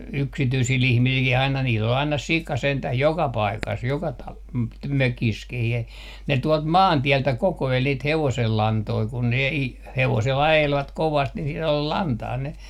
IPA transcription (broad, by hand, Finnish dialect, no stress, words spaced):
yksityisil ihmisilkih ɑinɑ niːl ol ɑinɑ sikɑ sentæh jokɑ pɑikɑs jokɑ tɑ møkis kih e ne tuɔlt mɑːntiɛltæ kokoel niːt heʋoselːɑntoi kun ne i heʋosel ɑjelʋɑt koʋɑst ni siel ol lɑntɑː ne